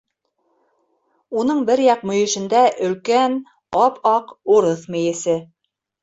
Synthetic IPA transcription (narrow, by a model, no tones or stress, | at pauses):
unɤɴbɘɾjɑq̚mɵ̆jɘ̆ʃɘ̆nd̪æʔɵ̆lkæn | ɑpʰɑquɾɤθmɘ̆jɘ̆sɘ